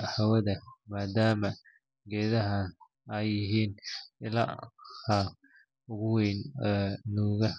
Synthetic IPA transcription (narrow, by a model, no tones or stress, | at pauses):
hawɐðɐmaːd̪aːmɐ | ɡɛːðɐɦɐ | ɐjɪɦiːnɪla̰hɐ | ʊɣʊwɛjnɛːnuːɣɐ